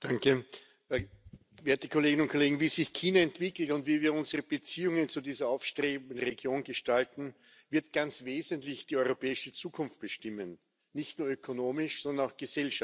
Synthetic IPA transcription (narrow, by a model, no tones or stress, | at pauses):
d̥aŋkə | veːɐtəkʰoleːɡɪnʊnt̚kʰoleːɡŋ̩viːzɪçkʰiːnaɛntv̥ɪkl̩tʊntv̥iːviːɐʊnzəʁəb̥ət͡siːʊŋənt͡sudiːzɐaʊfʃtʁeːbnn̩ʁeɡjoːnɡəʃtaltn̩ | vɪɐt̚ɡ̥ant͡sveːzəntlɪçd̥iːɔʏʁopʰɛːɪʃət͡suːkʰʊnft̚b̥əʃtɪmən | nɪçtnuːɐøkʰonoːmɪʃsɔndɐnaʊxɡ̥əzɛlʃa